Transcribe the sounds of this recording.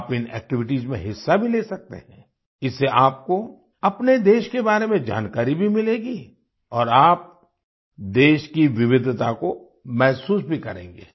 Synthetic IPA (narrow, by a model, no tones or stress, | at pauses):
pɪnɛ̰ːk̚ʈɪʋɪʈiːzmḛ̃ɦɪsːabʱileːsɐk̚t̪ḛɦɛ̃ː | ɪsːeʔaːp̚ko | ɐpned̪eːʃkebaːɾemẽd͡ʒa̰ːnkaːɾibʱimɪleːɡi | ɔːɾaːp̚ | d̪eːʃkiʋɪʋɪd̪ʱt̪ako | mɛɦsuːsbʱikɐɾḛ̃ːŋɡeː